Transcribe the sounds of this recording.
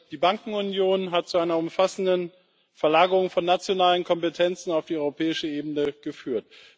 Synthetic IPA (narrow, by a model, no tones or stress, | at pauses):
d̥iːbaŋkŋ̩ʊnjoːnɦat̚t͡suaɪnɐʊmfasn̩dən | fɛɐlaːɡəʁʊŋfɔnːat͡sjonaːlənkʰɔmpetʰɛnt͡sn̩aʊfd̥iːɔʏʁopʰɛːɪʃəʔeːbn̩əɡ̥əfyːɐt